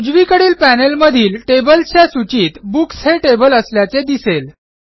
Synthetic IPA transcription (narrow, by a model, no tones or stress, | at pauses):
ud͡zʋikəɽiːlpænelməd̪ʱiːlʈebəlt͡ɕjasut͡ɕiːt̪buksɦeʈebələsljat͡sed̪isel